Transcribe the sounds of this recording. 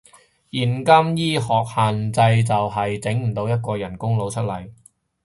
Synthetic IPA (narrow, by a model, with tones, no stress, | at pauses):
jiː˨˩nkɐ˥mjiː˥hɔː˨k̚haː˨nt͡sɐ˧jt͡sɐ˨wɦɐ˨jt͡sɪ˨˥ŋm̩˨˩t̪o˧wjɐ˥t̚kɔː˧jɐ˨˩nkʊ˥ŋlo˨˧wt͡ʃʰɵ˥t̚lɐ˨˩j